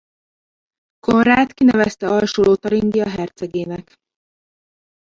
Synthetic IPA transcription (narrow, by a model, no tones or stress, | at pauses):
konraːt̪kinɛvɛst̪ɛɒlʃoːloːt̪ɒɾiŋɡiɒɦɛrt̪sɛɡeːnɛk